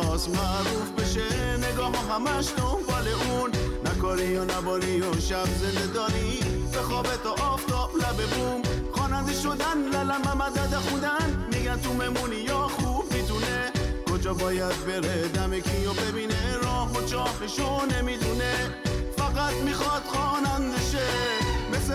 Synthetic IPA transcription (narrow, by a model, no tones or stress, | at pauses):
ɔsmæʔɾufbeʃeneɡɒːɦɔɦæmæʃt̪umbæleʔunːækʰɒːɾijɔnæbɒːɾijoʃæbzend̪ed̪ɒːɾibexɔːbet̪ʰɔʔːft̪ʰɒːblæbebumχɔːnænd̪eʃod̪ænlælæmæmæd̪æd̪æxũnd̪ænmiːɡænt̪ume̞munijɒxubmid̪unekod͡ʒɒːbɒːjæd̪̚be̞ɾed̪æmekʰijobe̞biːneɾɔːɦot͡ʃʰɒːfeʃone̞mid̪une | fæɣæt̪mixɒd̪̥xɒːnænd̪eʃemese